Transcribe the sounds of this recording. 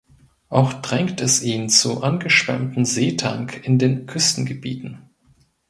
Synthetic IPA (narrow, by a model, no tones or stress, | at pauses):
ʔaʊxd̥ʁɛŋktʰɛsʔiːnt͡suʔanɡəʃpɛ̰ɐmtn̩zeːtʰaŋkʰɪndeːnkʰʏstn̩ɡəbḭːtn̩